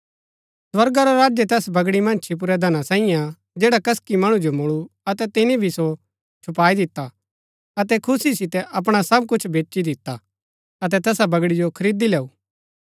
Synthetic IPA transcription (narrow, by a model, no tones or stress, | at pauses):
swɐɾɡaɾoɾaːd͡ʒjet̪ɛːsbɐɡɽimɐ̃nt͡ʃʰip̬ʊɾɛd̪ʱɐnasãːija | d͡ʒeːɽakɐskimɐɽ̃ũd͡ʒomʊɭuɐt̪ɛt̪ɪnibʱiso | t͡ʃʰʊpaːid̪ɪt̪ːa | ɐt̪ɛkʰʊsisɪt̪ɛʔɐp̬ɽ̃asɐb̚kʊt͡ʃʰbeːt͡ʃːid̪ɪt̪ːa | ɐt̪ɛt̪ɛːsabɐɡɽid͡ʒokʰɐɾiːd̪ileːuː